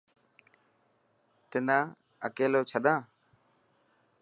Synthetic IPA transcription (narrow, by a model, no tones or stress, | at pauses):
t̪ɪnãː | ə̰keːloːt͡ʃʰəɗãː